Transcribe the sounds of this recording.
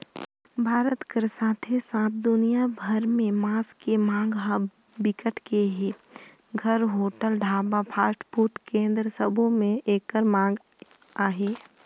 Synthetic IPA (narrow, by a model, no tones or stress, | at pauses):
bʱaːɾət̪kəɾsaːt̪ʰesãːp̪̚ʰd̪ʊnijabʱəɾmẽmãːskemãːɡ | bɪkəʈʰkeɦeː | ɡʱəɾɦoːʈəlɖʱaːbapʰaːsʈʰpuɾt̪kẽːnd̪ɾəsəbʱomẽeːkːəɾmãːŋɡ | aːɦeː